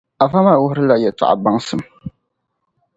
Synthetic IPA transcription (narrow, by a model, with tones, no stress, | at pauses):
a˨va˦ma˦˨wʊ˦hʊ˦ɾɨ˦la˦jɛ˨tʊ̰˨ʔa̰˨ba˦ŋsɨ˨m